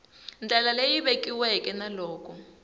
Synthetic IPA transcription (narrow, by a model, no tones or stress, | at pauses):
nd͡ɮʱalalejiβekiwɛkʼɛnalɔːkʼɔ